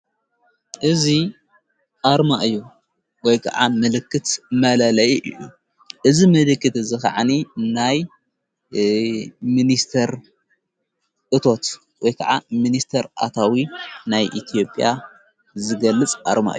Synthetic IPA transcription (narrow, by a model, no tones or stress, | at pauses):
ʔɨzi | ʔaɾmaʔɨjːu | wɔjkʰa̰ʕa̰mɨlɨkːɨt̪mɐlɐlɐjiʔɨ̰jṵ | ʔɨzimɨlɨkːɨt̪zɨxaʕaninaj | minist̪ʰɐɾ | ʔɨt̪ʰo̞t̪ | wɔjkʰaʕaminist̪ʰɐɾʔa̰t̪ʰawinajʔit̪ʰijo̞pʼja | zɨɡɐlːɨt͡sʼʔa̰ɾma̰ʔɨu